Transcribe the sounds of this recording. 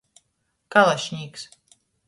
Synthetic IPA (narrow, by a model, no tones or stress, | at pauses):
kalˠaʃɲʲiːks